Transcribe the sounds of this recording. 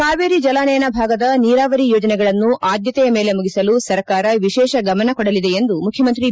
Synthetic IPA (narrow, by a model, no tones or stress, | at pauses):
kaːʋeːɾid͡ʒɐlaːnɐjɐnɐbʱaːɡɐd̪ɐniːɾaːʋɐɾijoːd͡ʒɐnɛɡɐɭɐnːuʔaːd̪jɐt̪ɛjɐme̞ːle̞muɡisɐlusɐɾkaːɾɐʋiʃɛːʃɐɡɐmɐnɐkɔɽɐlid̪eend̪umukʰjɐmɐnt̪̬ɾi